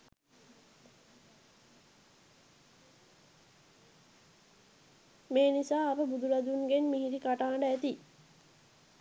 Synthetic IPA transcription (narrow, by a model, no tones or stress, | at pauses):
meːnisaːpəbud̪ulad̪unɡenmiɦiɾikaʈaːɳɖəæt̪i